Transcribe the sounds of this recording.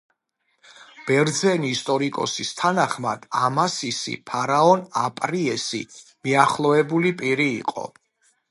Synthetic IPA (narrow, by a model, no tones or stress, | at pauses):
b̥ɛɾd̪zɛniːst̪ʼɔɾikʼɔ̰sist̪ʰanaχma̰d̪̥amasisḭpʰaɾaɔnapʼɾiɛsḭmiaχlˠɔɛbulipʼiɾḭːqʼɔ̰